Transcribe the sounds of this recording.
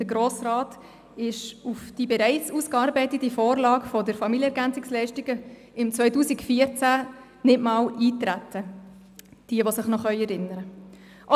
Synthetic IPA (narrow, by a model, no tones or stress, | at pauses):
d̥əɡɾoːsrɑːt | ɪʃufd̥ibɛɾɛɪt͡suːskɑːɾbɛɪtətifoːɾlɑːkfɔdəɾfɑmiljəɛɾɡænt͡sɪkslɛɪʃtɪɡə | ɪmt͡sʋœʏtuːsikfiəɾt͡sæ | nɪtmɑːliːtɾætʰə | d̥iəʋosɪχnɔχœʏɛɾɪnːəɾə | ʔ